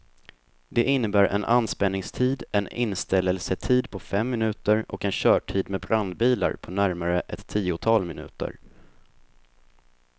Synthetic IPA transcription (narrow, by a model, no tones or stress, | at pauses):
d̪ɛʔɪnːəbæːɾʔɛ̰na̰nːspɛnːɪŋst̪ʰiːd̪ɛnɪ̰nst̪ɛlːəlsət̪ʰiːd̪pʰɔfɛmːɪnʉ̟ːt̪əɾɔkɛnɕœːʈʰiːd̪mɛbɾand̪̚biːla̰ɾpʰɔnæɾmaɾəʔɛt̪ʰːiːʊt̪ʰɑːlmɪnʉ̟ːt̪ə̰ɾ